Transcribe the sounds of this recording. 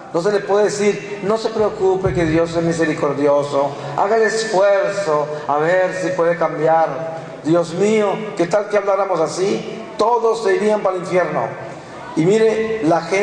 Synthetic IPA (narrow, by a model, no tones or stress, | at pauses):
nos̬elepweðeðesiɾno̞se̞pɾeokupekeðjo̞sːemis̬eɾiko̞ɾðjoso | a̰ɣaðesfweɾsoaβeɾsipweðekambjaɾ | d̪jo̞zmioket̪alkeaβlaɾamosasi | t̪oðosːeiɾiampaaliɱfjeɾno̰ | imiɾelaxe